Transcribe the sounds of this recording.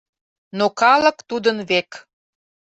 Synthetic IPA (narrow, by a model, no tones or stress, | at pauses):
nokɑlə̆kt̪ud̪ənβek